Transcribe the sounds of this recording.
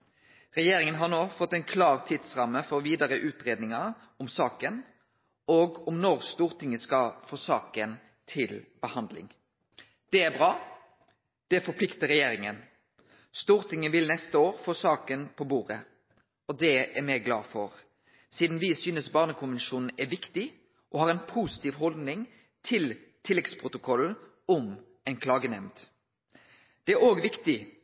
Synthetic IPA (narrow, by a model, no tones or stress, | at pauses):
ʁɛjeːɾɪŋənɦɑʁnoːfɔt̪ːɛɪnkʰlɑːʁt̪ʰɪd̪sʁɑmːəfɔʁʋiːd̪ɑʁəʔʉːt̪ʁeːd̪nɪŋɑ | ʊmsɑːkən | oːɡʊmnɔʁst̪uːʁt̪ɪŋəskɑfoːsɑːkən | t̪ʰɪlbəhɑnd̪lɪ̰ŋ | d̪̥ɛæbʁɑː | d̪̥ɛfɔpʰlɪkt̪əɾɛjeːɾɪŋən | st̪uːʁt̪ɪŋənʋɪlnɛst̪əoːʁfoːsɑːkənpʰɔbuːɾə | ɔd̪ɛæɾmɛɡlɑ̰ːfɔʁ | siːd̪n̩ʋɪsyːnəsbɑːʁnəkʰʊnʋɛnʃuːnn̩æʋɪkt̪ɪ | ʔɔhɑːɾɛnpʰusɪ̥t̪iːʋɦɔld̪nɪŋ | t̪ʰɪlt̪ʰɪlːɛɡspʰʁʊt̪ʊkʰɔl̩ | ɔm | ɛnkʰlɑːɡənɛmd̪ | d̪̥ɛæɾoːɡʋɪkt̪ɪ